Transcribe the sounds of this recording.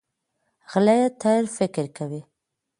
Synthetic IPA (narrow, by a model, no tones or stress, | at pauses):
ɣlajat̪ʰajɾfɪkɪɾkawi